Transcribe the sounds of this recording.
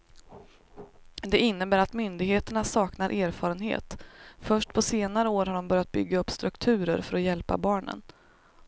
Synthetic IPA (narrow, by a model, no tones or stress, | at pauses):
d̪ɛɪnːəbæːɾat̪mʏnd̪ɪɡheːt̪əɳasɑːknaɾʔæːɾfɑːɾənhḛːt̪fœʂʈpʰɔseːnaɾəoːɾɦaɖɔmbœɾjat̪̚bʏɡːaɵpːst̪ɾɵkt̪ʰʉ̟ːɾəɾfœɾɔjɛlpa̰bɑːɳə̰n